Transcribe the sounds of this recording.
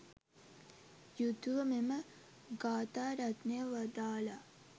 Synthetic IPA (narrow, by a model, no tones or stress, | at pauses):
jut̪uʋəmemə | ɡaːt̪aːɾat̪nəjəʋad̪aːla